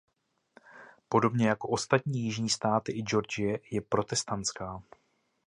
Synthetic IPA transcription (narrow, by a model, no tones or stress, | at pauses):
po̞do̞bɲɛjako̞ʔo̞st̪at̪ɲiːjɪʒɲiːst̪aːt̪ɪʔɪd͡ʒo̞ɾd͡ʒɪjɛjɛpɾo̞t̪ɛst̪ant̪t͡skaː